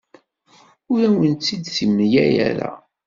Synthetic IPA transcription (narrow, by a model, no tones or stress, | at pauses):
ʊɾæwənt̪ːid̪θimnjæjæ̰ɾæ̰